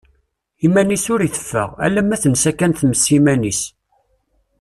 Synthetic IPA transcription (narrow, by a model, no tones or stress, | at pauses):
imænisʊɾiθə̥fːə̰ʁæ̰lːæmæθənsækːænθməsːimænis